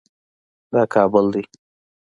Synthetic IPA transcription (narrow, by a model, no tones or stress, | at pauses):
d̪ɑːkʰɑbʊld̪i